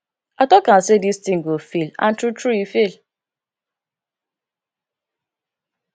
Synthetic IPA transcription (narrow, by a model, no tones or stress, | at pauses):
atɔkan̩sedistiŋ̩ɡofila̰n̩tutɾuifil